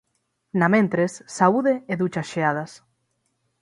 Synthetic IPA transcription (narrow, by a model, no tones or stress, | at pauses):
namẽnt̪ɾesːauðeeðut͡ʃɐsʃeað̞ɐs